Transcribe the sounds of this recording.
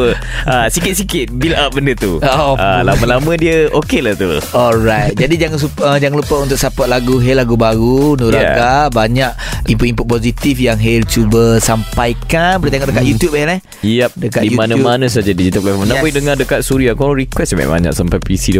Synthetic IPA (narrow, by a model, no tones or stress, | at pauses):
ə | asikɪt̪̚sikɪt̪̚bilap̚bəndət̪ualamə̃lamə̃diəokelaht̪ṵɔlɾajt̪̚d͡ʒadid͡ʒaŋasuəd͡ʒaŋaŋlupəunt̪ʊksapaʔ̚laɡuɦɛlaɡubaɾunuɾaɡabaɲaʔ̚ | impuimput̚pozit̪ifjaŋɦelt͡ʃubəsampajkanpəɾt̪eŋɔʔdəkat̪̚jut̪jupɛlɛ | ijap̚dəkat̪dijumanãumanãs̬ad͡ʒadid͡ʒit̪aplafmənapoidəŋadəkat̪̚suɾiakɔɾikwɛsba̰ba̰ɲa̰ksampajpisidə